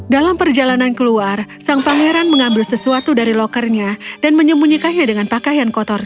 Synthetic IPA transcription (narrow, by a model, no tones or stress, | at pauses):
dalampərd͡ʒalanankəluarsaŋpaŋeɾanməŋambɪlsəsuat̪udaɾilɔkərɲadanməɲəmbuɲikaɲadəŋanpakajankɔt̪ɔr